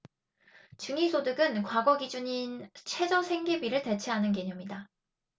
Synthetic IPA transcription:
t͡ɕɯŋisʰodɯɡɯnkwaɡʌɡid͡ʑuɲint͡ɕʰe̞d͡ʑʌsʰe̞ŋɡebiɾɯɭte̞t͡ɕʰeɦanɯnɡeɲʌmɲida

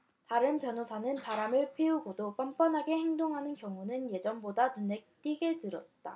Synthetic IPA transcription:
taɾɯnpjʌnosʰanɯnpaɾamɯɭpʰeuɡodop͈amp͈ʌnɦaɡe̞he̞ŋdoŋɦanɯnkjʌŋunɯnje̞d͡ʑʌnbodanunek̚t͈iɡe̞tɯɾʌt̚t͈a̰

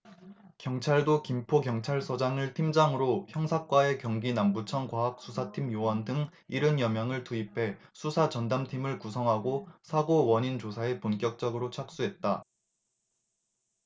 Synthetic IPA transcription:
kjʌŋt͡ɕʰaɭdokimpʰokjʌŋt͡ɕʰaɭsʰʌd͡ʑaŋɯɭtʰimd͡ʑaŋɯɾoçjʌŋsʰak͈wae̞kjʌŋɡinambut͡ɕʰʌnkwaɦak̚s͈ʰusʰatʰimjowʌndɯŋ | iɾɯnjʌmjaŋɯɭtuipʰe̞sʰusʰat͡ɕʌndamtʰimɯɭkusʰʌŋɦaɡosʰaɡowʌɲind͡ʑosʰae̞punk͈jʌk̚t͡ɕ͈ʌɡɯɾot͡ɕʰak̚s͈uɦe̞t̚t͈a

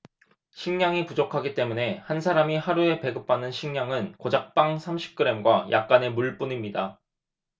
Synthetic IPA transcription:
ɕʰiŋɲaŋipud͡ʑokʰaɡit͈e̞mune̞hansʰaɾamihaɾue̞pe̞ɡɯp̚p͈anɯnɕʰiŋɲaŋɯnkod͡ʑak̚p͈aŋsʰamɕʰi̥p̚k͈ɯɾe̞mɡwaja̰k̚k͈ane̞muɭp͈unimɲida

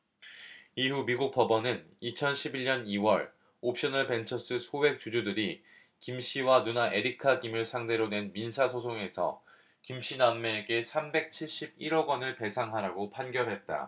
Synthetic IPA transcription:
iɦumiɡuk̚p͈ʌbʌnɯnit͡ɕʰʌnɕʰibiɭɲʌniwʌɭ | op̚ɕ͈ʌnɯɭpe̞nt͡ɕʰʌs͈ɯsʰowe̞k̚t͡ɕud͡ʑudɯɾi | kimɕ͈iwanunaʔe̞ɾikʰaɡimɯɭsʰaŋde̞ɾone̞nminsʰasʰosʰoŋe̞sʰʌ̰ | kimɕ͈inamːe̞ɡe̞sʰambe̞k̚t͡ɕʰiɭɕ͈ib̚iɾʌɡwʌnɯɭpe̞sʰaŋɦaɾaɡopʰanɡjʌɭɦe̞t̚t͈a̰

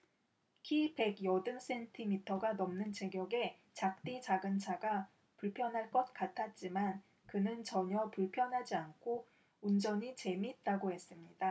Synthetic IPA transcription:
kʰipe̞ɡjʌdɯns͈e̞ntʰimitʰʌɡanʌmnɯnt͡ɕe̞ɡjʌɡe̞ | t͡ɕak̚t͈it͡ɕaɡɯnt͡ɕʰaɡa | puɭpʰjʌnɦaɭk͈ʌt̚k͈atʰat̚t͡ɕ͈iman | kɯnɯnt͡ɕʌɲʌpuɭpʰjʌnɦad͡ʑiankʰo | und͡ʑʌɲit͡ɕe̞mit̚t͈aɡohe̞s͈ɯmɲida

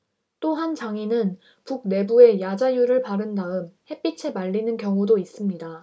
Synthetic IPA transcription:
t͈oɦant͡ɕaŋinɯn | puk̚ne̞bue̞jad͡ʑajuɾɯɭpaɾɯndaɯmhe̞p͈it͡ɕʰe̞maɭːinɯnkjʌŋudois͈ɯmɲida

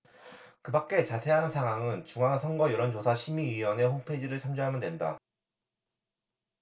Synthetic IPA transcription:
kɯbak̚k͈e̞t͡ɕasʰe̞ɦanɯnsʰaŋɦwaŋɯnt͡ɕuŋaŋsʰʌŋɡʌjʌɾʌnt͡ɕosʰaɕʰimiɥiwʌne̞ɸoŋpʰed͡ʑiɾɯɭt͡ɕʰamd͡ʑuɦamjʌndwe̞nda̰

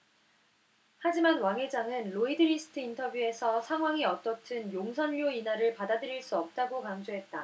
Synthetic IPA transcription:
had͡ʑimanwaŋe̞d͡ʑaŋɯnɾoidɯɾisʰɯ̥tʰɯintʰʌbjue̞sʰʌsʰaŋɦwaŋiʌt͈ʌtʰɯnjoŋsʰʌnʎoinɦaɾɯɭpadadɯɾiɭs͈uʌp̚t͈aɡokaŋd͡ʑoɦe̞t̚t͈a

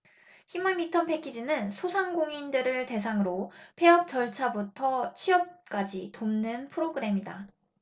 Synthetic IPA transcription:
çimaŋːitʰʌnpʰe̞kʰid͡ʑinɯnsʰosʰaŋɡoŋindɯɾɯɭte̞s̬ʰaŋɯɾopʰe̞ʌp̚t͡ɕʌɭt͡ɕʰabutʰʌt͡ɕʰiʌp̚k͈ad͡ʑitomnɯnpʰɯɾoɡɯɾe̞mida̰

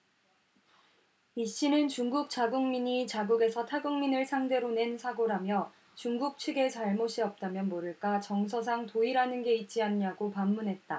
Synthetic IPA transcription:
iɕ͈inɯnt͡ɕuŋɡuk̚t͡ɕ͈aɡuŋmiɲit͡ɕaɡuɡe̞sʰʌtʰaɡuŋminɯɭsʰaŋde̞ɾone̞nsʰaɡoɾamjʌ | t͡ɕuŋɡuk̚t͡ɕʰɯɡe̞t͡ɕaɭmoɕʰiʌp̚t͈amjʌnmoɾɯɭk͈at͡ɕʌŋs̬ʰʌsʰaŋtoiɾanɯnɡe̞it̚t͡ɕ͈ianɲaɡopamːunɦe̞t̚t͈a

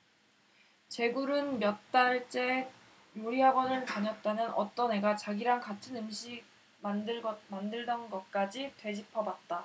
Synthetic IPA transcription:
t͡ɕe̞ɡuɾɯnmjʌt̚t͈aɭt͡ɕ͈e̞ | joɾiɦaɡʌnɯɭt͡ɕaɲʌt̚t͈anɯnʔʌ̰t͈ʌne̞ɡat͡ɕaɡiɾaŋkatʰɯnɯmɕʰiɡ̚ | mdɡʌmandɯɭdʌnɡʌt̚k͈ad͡ʑitwe̞d͡ʑipʰʌbat̚t͈a

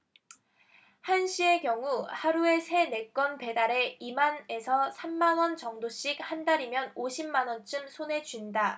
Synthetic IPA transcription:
hanɕ͈ʰie̞kjʌŋuhaɾue̞sʰe̞ne̞k͈ʌnpe̞daɾe̞imane̞sʰʌsʰamːanwʌnt͡ɕʌŋdoɕ͈ik̚handaɾimjʌnoɕʰimːanwʌnt͡ɕ͈ɯmsʰone̞t͡ɕuinda

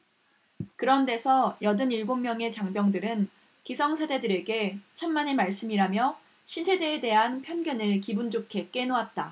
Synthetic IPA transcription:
kɯɾʌnde̞sʰʌjʌdɯniɭɡomːjʌŋe̞t͡ɕaŋbjʌŋdɯɾɯn | kisʰʌŋsʰede̞dɯɾe̞ɡe̞t͡ɕʰʌnmane̞maɭs͈ɯmiɾamjʌ | ɕʰinsʰede̞ːde̞ɦanpʰjʌnɡjʌnɯɭkibund͡ʑokʰe̞k͈e̞nowat̚t͈a

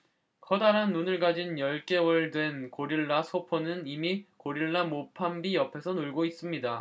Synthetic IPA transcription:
kʰʌdaɾɦanːunɯɭɡad͡ʑinjʌɭk͈e̞wʌɭdwe̞nkoɾiɭːasʰopʰonɯnimikoɾiɭːamopʰambijʌpʰe̞sʰʌnuɭɡois͈ɯmɲida

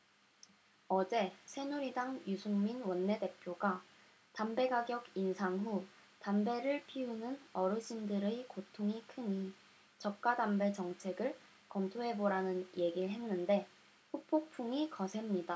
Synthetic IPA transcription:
ʌd͡ʑe̞sʰe̞nuɾidaŋjusʰuŋminwʌnːe̞de̞pʰjoɡa | tambe̞ɡaɡjʌɡinsʰaŋɦu | tambe̞ɾɯɭpʰiunɯnʌɾɯɕʰindɯɾɯkotʰoŋikʰɯɲi | t͡ɕʌk̚k͈adambe̞t͡ɕʌŋt͡ɕʰe̞ɡɯɭ | kʌmtʰoɦe̞boɾanɯnje̞ɡiɭɦe̞nːɯnde̞ | ɸupʰok̚pʰuŋikʌsʰe̞mɲida

